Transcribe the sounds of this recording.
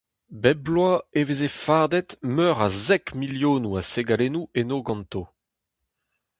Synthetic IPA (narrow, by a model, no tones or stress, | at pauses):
bɛblwaevezefaʁd̪ɛt̪mœʁazɛkmiljoːnuaseɡalenuenoːɡɑ̃nt̪o